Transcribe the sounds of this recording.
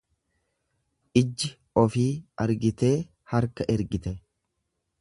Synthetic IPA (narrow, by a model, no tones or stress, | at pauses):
ʔɪd͡ʒːɪ | ɔfiːɐɾɡɪt̪e̞ː | hɐɾkɐʔɛɾɡɪt̪ɛ